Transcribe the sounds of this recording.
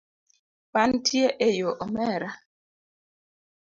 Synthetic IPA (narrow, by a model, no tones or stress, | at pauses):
pantʰjeʔejoʔɔmɛɾa